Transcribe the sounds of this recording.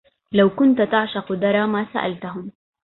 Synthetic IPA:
lawkʊnt̪t̪aʕʃɑqʊd̪ɑɾˤɑːmaːsa̰ʔa̰lt̪aɦʊm

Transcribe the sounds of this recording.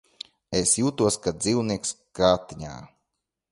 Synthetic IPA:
esjuːt̪uɔskad̪ziwniɛkskaːt̪iɲa̰ː

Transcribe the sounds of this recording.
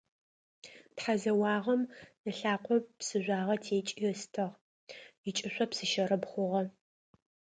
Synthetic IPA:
tħazɐwɑːʁɐmnɨɬaːqʷʰɔpsɨʑʷɑːʁɐtʰeːt͡ʃʼiɛstʰɐʁ | jɪt͡ʃʼɪɕʷɔpsɨʃɐɾɐbχʷʊʁɐ

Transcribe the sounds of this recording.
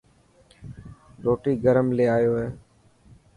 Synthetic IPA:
ɾoːʈiːɡəɾəmleːaːjoːɦeː

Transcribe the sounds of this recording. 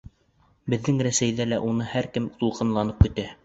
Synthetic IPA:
bɘ̆ðːɘŋɾæsæjðælæʔunɤhæɾkɘmt̪ulˠqɤ̆nlˠɑnɤp̚kɵ̆t̪æ

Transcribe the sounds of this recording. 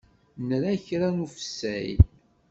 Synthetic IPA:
nɾæçɾanufə̥sːæjl

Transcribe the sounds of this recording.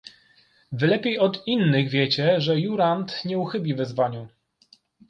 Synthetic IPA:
vɘlɛpʲejɔt̪inːɘɣvʲjɛt͡ɕɛʐɛjuɾant̪ɲɛuxɘbʲivɘzvaɲu

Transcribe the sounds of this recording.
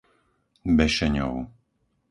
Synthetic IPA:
bɛʃɛɲɔ̰w

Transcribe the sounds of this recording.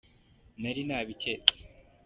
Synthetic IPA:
naɾinaːβitʰe

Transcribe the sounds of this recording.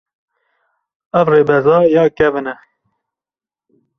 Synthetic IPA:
ɛvreːbɛzɑːjɑːkɛvɨnɛ

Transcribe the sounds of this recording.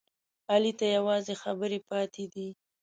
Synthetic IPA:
ɑlit̪ajawɑzexabəɾepɑt̪ʰed̪i

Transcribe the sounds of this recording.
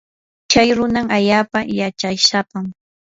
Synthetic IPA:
t͡ʃajɾʊnaŋaʎaːpajat͡ʃajsapam

